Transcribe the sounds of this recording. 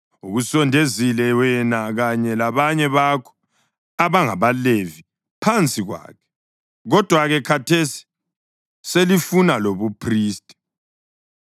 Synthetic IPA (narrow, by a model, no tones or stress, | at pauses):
uɣusɔndʱezilɛwɛnaɣaɲɛlaβaɲɛβakʰɔ̥ | aβaŋaβalevi | pʰant͡sʼiɣwa̰ːkʰɛ̥ | ɣɔd̥ʱwaɣɛkʰatʰesi̥ | selifunaloβupʰriːstʼi̥